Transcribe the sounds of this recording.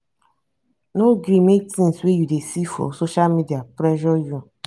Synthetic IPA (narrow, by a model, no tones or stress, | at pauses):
noɡɾĩmetĩnswejudesifɔ̰soʃalmidiapɾɛʒɔju